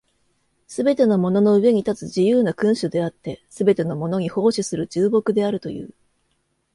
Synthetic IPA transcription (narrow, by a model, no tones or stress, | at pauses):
sɨbe̞t̪e̞no̞mo̞no̞no̞ɯ̟βe̞ɲ̟it̪at͡sɨʑijɯːnakɯ̟̃ɰ̃ɕɨd̪e̞at̪ːe̞sɨbe̞t̪e̞no̞mo̞no̞ɲ̟iho̞ːɕisɨɾɯ̟d͡ʑɨːbo̞kɯ̟d̪e̞aɾɯ̟t̪o̞̰jɯ̟̰ː